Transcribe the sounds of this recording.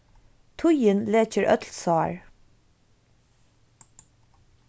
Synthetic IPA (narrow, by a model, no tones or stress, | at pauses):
t̪ʰʊjənleːt͡ʃəɹʔœ̰t̪lsɑːɹ